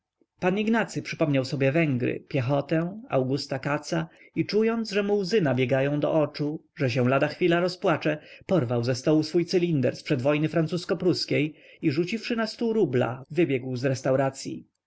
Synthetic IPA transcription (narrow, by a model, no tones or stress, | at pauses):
paniɡnat̪sɘpʂɘpɔmɲawsɔbʲjɛvɛŋɡɾɘ̰pʲjɛxɔt̪ɛa̰wɡust̪akat̪sa | it͡ʂujɔnd̪zʐɛmuwzɘnabʲjɛɡajɔ̃w̃d̪ɔ̰ʔɔt͡ʂuʐɛɕɛ̃lad̪axfʲilaɾɔspwat͡ʂɛpɔɾvawzɛst̪ɔwusfujt̪sɘlʲind̪ɛ̰ɾspʂɛd̪vɔjnɘfɾansuskɔpɾuskʲej | iʐut͡ɕifʂɘnast̪uɾubla̰vɘbʲjɛɡwzɾɛst̪awɾat̪sʲjḭ